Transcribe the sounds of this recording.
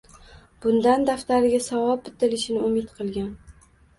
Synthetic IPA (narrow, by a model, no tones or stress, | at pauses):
b̥ʊnd̪and̪aft̪aɾɪɡʲasavɒp̚bɪt̪ʰɪlɪʃɪnɪʊmɪt̪qʰɨlˠɡʲan